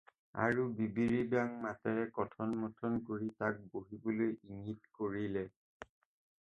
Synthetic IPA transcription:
a̰ɹubibiɹibaŋmatɛɹɛkɔtʰɔnmɔtʰɔnkoɹitak̚boɦibɔlojiŋitkoɹilɛ

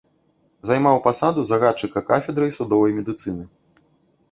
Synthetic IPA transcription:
zajmawpasad̪uzɐɣat̪̚t͡ʂɨkɐkafʲɛd̪ɾɐjsud̪ɔvɐjmʲɛd̪ɨt̪sɨnɨ

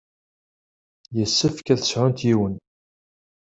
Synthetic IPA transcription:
jəsːəfkæθəsʕʊnt̪jiwən

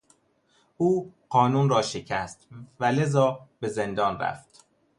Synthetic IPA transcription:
ʔuːɢɒːnuːnɾɒːʃecʰæst̪væle̞zɒːb̥e̞zend̪ɒːnræ̰ft̪

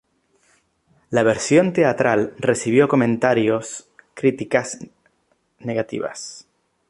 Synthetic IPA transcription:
laβ̞eɾsjo̞nt̪e̞at̪ɾalresiβ̞jo̞ko̞mẽ̞nt̪aɾjo̞skɾit̪ikaz | ne̞ɣat̪ḭβa̰s

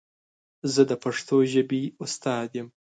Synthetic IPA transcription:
zəd̪əpaʂt̪oʒəbiust̪ɑːd̪jem

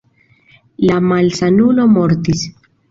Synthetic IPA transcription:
lamalsanulo̞mo̞ɾtis

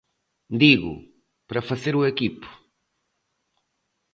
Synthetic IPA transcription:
d̪iɣʊ̰ | pɾɐfɐzeɾuekipʊ̥

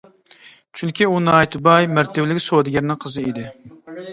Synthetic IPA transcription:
t͡ʃʰyŋkʲiunɑːjt̪ʰʊbɑjmæɾt̪ɪbɪlɪkʲsod̪ɪɡʲɛɾnɪŋqʰəzɨid̪ɪ

